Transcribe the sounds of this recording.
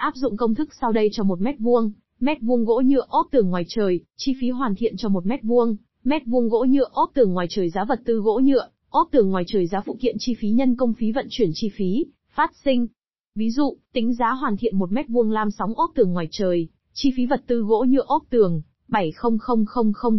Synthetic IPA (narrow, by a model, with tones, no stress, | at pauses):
ʔaː˦˥p̚zʊ̰˧˨ŋ͡mkə˧wŋ͡mt̪ʰɨ˦˥k̚sa˧wɗə˧jt͡ɕɔ˧mo˨˩t̚mɛ˦˥t̚vu˧əŋ | mɛ˦˥t̚vu˧əŋɣo̰˧˥ɲɨ˧əʔo˦˥p̚t̪ɨ˨˩əŋːwaː˨˩jt͡ɕəː˨˩jt͡ɕi˧fi˨˦ɦwaː˨˩nt̪ʰḭ˧˨ənt͡ɕɔ˧mo˨˩t̚mɛ˦˥t̚vu˧əŋ | mɛ˦˥t̚vu˧əŋɣo̰˧˥ɲɨ̰˧ʔo˦˥p̚t̪ɨ˨˩əŋːwaː˨˩jt͡ɕəː˨˩jzaː˨˦və˨˩t̚t̪ɨ˧ɣo̰˧˥ɲɨ̰˧˨ə | ʔo˦˥p̚t̪ɨ˨˩əŋːwaː˨˩jt͡ɕəː˨˩jzaː˨˦fṵ˧˨t̪ḭ˧˨ənt͡ɕi˧fi˨˦ɲə˧nkə˧wŋ͡mfi˨˦və̰˧˨nt͡ɕwi˧˩ənt͡ɕi˧fi˨˦ | faː˦˥t̚sï˧ŋ̟ | vi˨˦zṵ˧˨t̪ï˨˦ŋ̟zaː˨˦ɦwaː˨˩nt̪ʰḭ˧˨ənmo˨˩t̚mɛ˦˥t̚vu˧əŋlaː˧msa˨˦wŋ͡mʔo˦˥p̚t̪ɨ˨˩əŋːwaː˨˩jt͡ɕəː˨˩j | t͡ɕi˧fi˨˦və˨˩t̚t̪ɨ˧ɣo̰˧˥ɲɨ̰˧ʔo˦˥p̚t̪ɨ˨˩əŋ | ɓa˧˩jxə˧wŋ͡mxə˧wŋ͡mxə˧wŋ͡mxə˧wŋ͡m